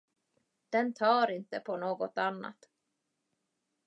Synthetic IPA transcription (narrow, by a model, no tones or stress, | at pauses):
d̪̥ɛnt̪ʰɑːɾɪnt̪əpʰɔnoːɡɔt̪anːa̰t̪